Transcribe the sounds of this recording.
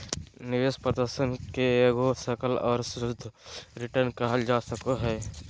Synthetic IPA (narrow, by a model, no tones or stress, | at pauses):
nɪʋeːspɾəd̪əɾsənkeeɡosəkəlɔ̰ːɾsʊd̪ʱɾɪʈəɾnkəɦəld͡ʒaːsəkoɦɛː